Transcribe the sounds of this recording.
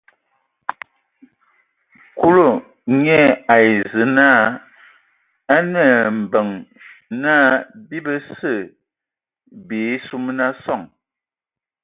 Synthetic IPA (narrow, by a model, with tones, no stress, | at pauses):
ku˦lo˦˨ | ɲɛ˦a˨i˨zə˨˦na˦ | a˦nə˨m̩˨bə˨ŋ | naː˦bi˦bə˦sə˦˨ | be˨˦su˦m˦na˦sɔ˦˨ŋ